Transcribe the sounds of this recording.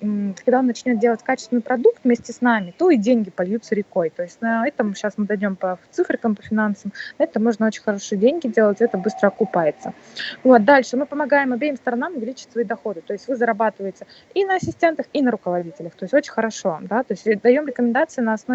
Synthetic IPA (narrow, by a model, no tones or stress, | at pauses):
kɐɡd̪aonːɐt͡ɕnʲodʲe̞lˠətʲkat͡ɕɪ̥st̪vɪnɨɪpɾɐd̪ukt̪vmʲesʲtʲɪsnamʲɪt̪o̞idʲenʲɡʲɪpɐlʲjut̪səɾʲɪko̞jt̪o̞ɪsʲtʲnɐɛt̪əmʊɕasmɨd̪ɐjnʲo̞mpɐt̪sɨfɾʲɪkəmpəfʲɪnansəmd̪ɐɛt̪əmo̞ʐnəot͡ɕɪ̥nʲxɐɾo̞ʂɨjədʲenʲɡʲɪdʲe̞lˠətʲɪɛt̪əbɨst̪ɾəɐkʊpajɪt̪sə | vot̪̚d̪alʲʂɨmɨpəmɐɡajɪmɐbʲejɪmst̪əɾɐnamʊvʲɪlʲit͡ɕɪ̥tʲsvɐid̪ɐxo̞d̪ɨt̪o̞jɪsʲtʲvɨzəɾɐbat̪ɨvəjɪtʲɪinəɐsʲɪsʲtʲe̞nt̪əxinəɾʊkəvɐdʲitʲɪlʲəxt̪o̞ɪsʲo̞t͡ɕɪnʲxəɾɐʂo̞d̪at̪o̞ɪsʲtʲd̪ɐjo̞mɾʲɪkəmʲɪnd̪at̪sɨɪnɐɐsno